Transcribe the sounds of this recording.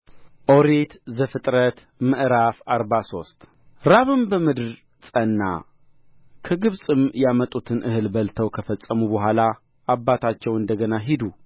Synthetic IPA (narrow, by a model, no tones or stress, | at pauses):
ʔoɾet̪zəfɨt̪ʼɾət̪ | məʔɾafaɾbaso̞st̪ʼ | ɾaβɨmbəmɨd̪ɨɾ | sʼənːa̰ | kʰəɡɨβsʼɨmjamət̪ʼut̪ʰɨnʔɨhɨlbəlt̪ʰəwkʰəfəsʼːəmubəɦʷala | ʔabːat̪ʰat͡ʃːɛwɨnd̪əɡənaɦid̪u